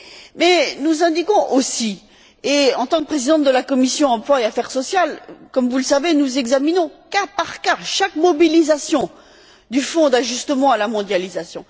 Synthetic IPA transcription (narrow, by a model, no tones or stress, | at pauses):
mɛnuzɛ̃d̪ikɔ̃ʔosi | eɑ̃t̪ɑ̃k̚pχezid̪ɑ̃t̪̚d̪əlakɔmisjɔ̃ɑ̃plwaeafɛʁsɔsjalkɔmvuləsavenuzɛɡzaminɔ̃kapaʁkaʃakmɔbilizasjɔ̃ | d̪yfɔ̃d̪aʒyst̪əmɑ̃alamɔ̃d̪jalizasjɔ̰̃